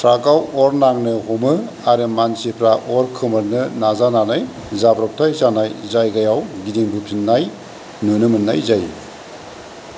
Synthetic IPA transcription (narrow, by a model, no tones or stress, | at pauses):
tɾaɡawɔɾnaŋnɯɦumɯ | aɾɯmansipʰɾaʔɔɾkʰɯmɯɾnɯnazananaj | zabɾɔk̚tʰajzanajzajɡajawɡidiŋbɯpʰinːaj | nunɯmɯnːajzaj